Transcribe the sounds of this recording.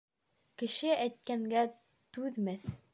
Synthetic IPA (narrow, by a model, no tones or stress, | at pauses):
kɘ̆ʃɘæjt̪̚kæŋɡæ | t̪ʉðmæθ